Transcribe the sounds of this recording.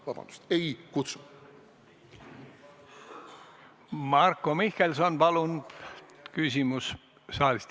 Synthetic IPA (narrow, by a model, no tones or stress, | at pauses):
vɑb̥ɑ̰nd̪u̥st̪ejkut̪su̥ | mɑrkːˑomihkelsonpɑlund̪ | kysʲimus | sɑːlist̪